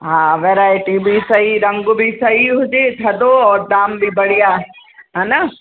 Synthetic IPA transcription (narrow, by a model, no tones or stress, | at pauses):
ɦãːʋeːɾaːɪʈibʱisɐɦiɾɐ̃ŋɡʊbʱisɐɦiɦʊd͡ʒet̪ʰɐd̪oɔːɾd̪aːmbʱibɐɽ̤ija | ɦaːna